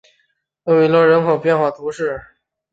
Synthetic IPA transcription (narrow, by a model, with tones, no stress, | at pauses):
jo˥˩ʊi˧˥lwə˥˩ɻə˧˥nxʰo˨˩ʊpjɛ˥˧nxwa˥˩t̪ʰu˧˥ʂɻ̩˥˩